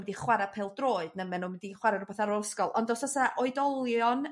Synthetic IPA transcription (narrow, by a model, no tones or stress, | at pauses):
mɛdiχwaɾapʰelˠdroːɨd̥nəmɛnuːmɛdiχwaɾarubɛθaɾɔskɔlˠɔndɔsɔsaaʔɔɨdɔlˠjɔn